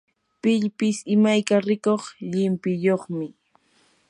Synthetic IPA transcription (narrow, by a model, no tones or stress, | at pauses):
pɪʎpɪsɪmajkaɾɪkoχʎɪmpɪjoχmɪ